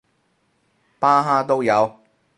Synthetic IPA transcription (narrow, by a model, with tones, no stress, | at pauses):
paː˥ɦaː˥t̪̬o˥wjɐ˨˧w